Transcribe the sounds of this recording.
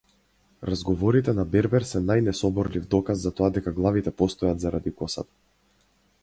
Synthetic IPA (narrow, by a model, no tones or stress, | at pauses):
ɾazɡɔvɔɾit̪ɛnabɛɾbɛɾsɛnajnɛsɔbɔɾlivd̪ɔkazːat̪ɔad̪ɛkaɡlˠavit̪ɛpɔst̪ɔjad̪zaɾad̪ikɔsa̰t̪ḁ